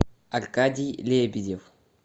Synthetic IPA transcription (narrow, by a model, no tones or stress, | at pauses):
alkad̪ʲilebid̪ʲef